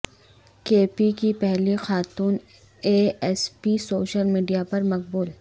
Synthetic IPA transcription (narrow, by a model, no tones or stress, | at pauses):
keːpikipɛɦlixaːt̪uːn | eːɛspisoːʃəlmiːɖijapɐɾmɐq̚buːl